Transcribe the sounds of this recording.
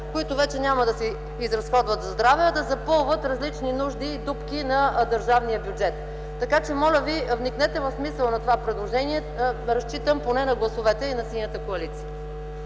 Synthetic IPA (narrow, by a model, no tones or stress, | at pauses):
koit̪ʊvɛt͡ʃɛnʲaməd̪ɐsɛ | izɾɐsxɔd̪vət̪zzd̪ɾavɛːd̪ɐzɐpɤlˠvət̪ɾɐzlit͡ʃninuʒd̪iːd̪upkʲinɐd̪əɾʒavnijəbjʊd͡ʒɛt̪ː | ɐkat͡ʃɛmɔlʲəvivniknɛt̪ɛvɐfsmisəlˠnɐt̪ovapɾɛd̪lˠoʒɛniɛ | ɾɐst͡ʃit̪əmponɛnɐɡlˠɐsovɛt̪ɛinɐsinʲət̪əkoɐlit̪siə